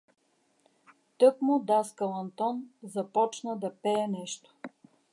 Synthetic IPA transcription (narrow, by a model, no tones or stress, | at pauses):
t̪ɤkmʊd̪askɐlˠɐnt̪ɔnzɐpɔt͡ʃnəd̪ɐpɛɛnɛʃt̪o̥